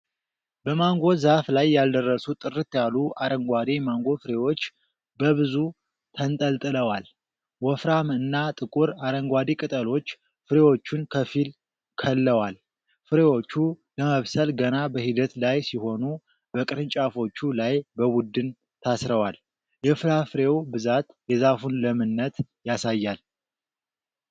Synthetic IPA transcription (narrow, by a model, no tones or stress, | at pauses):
bəmaŋɡo̞zaflajːald̪ərːəsut̪ʼɨrɨt̪jaluʔaɾəŋɡʷad̪imaŋɡo̞fɨɾewo̞t͡ʃː | bəβɨzu | t̪ʰənt̪ʼəlt̪ʼɨləwal | wɔfɾamɨnːat̪ʼɨkʼuɾaɾəŋɡʷad̪ikʼɨt̪ʼəlo̞t͡ʃː | fɨɾewo̞t͡ʃːunkʰəfil | kʰəlːəwal | fɨɾewo̞t͡ʃːuləməβsəlɡənabəhid̪ət̪lajsiho̞nu | bəkʼɨɾɨɲt͡ʃʼafo̞t͡ʃːulajbəwud̪ːɨn | t̪ʰasɾəwal | jɛfɨlafɨɾe̞wbɨzat̪jɛzafunləmɨnːət̪ | jasajːal